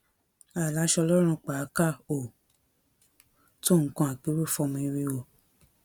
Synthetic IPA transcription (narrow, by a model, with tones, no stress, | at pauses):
a˨la˨˦ʃɔ˧lɔ˦ɾ̃ũ˧k͡pa˨˦ka˦˨o˨ | to˦˨ŋ̩˨˦kɔ̃˧˨a˨k͡pi˨˦ɾo˦˨fɔ˧mĩ˧i˧ɾi˧wo˨